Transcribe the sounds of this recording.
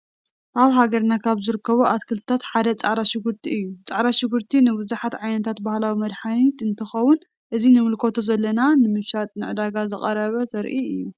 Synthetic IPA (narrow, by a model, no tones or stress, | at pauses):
ʔaβɦaɡɐɾnakʰaβzɨɾɨkʰːɐβuʔat̪kʰɨlt̪ɨt̪ʰat̪ħad̪ɐt͡sʼaʕɾaʃɪɡuɾt̪ʰiɨjːut͡sʼaʕɾaʃɪɡuɾt̪ʰinɨbɨzuħat̪ʕajnɐt̪ʰat̪bahlawimɐd̪ħanit̪ɨnt̪ʰɐxɐwːʊn | ʔɨzinɨmɨlkʰo̞t̪ʰozɐlːɐnanɨmɨʃat̪ʼnɨʕɨd̪aɡazɨχʼɐɾɐβɐt̪ʰɐɾʔiɨjjːu